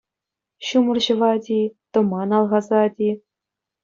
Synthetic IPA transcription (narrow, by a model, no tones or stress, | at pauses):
ɕumɤ̆rʑɤ̆ʋɑdʲit̪ɤ̆mɑnɑlˠʁɑzɑdʲi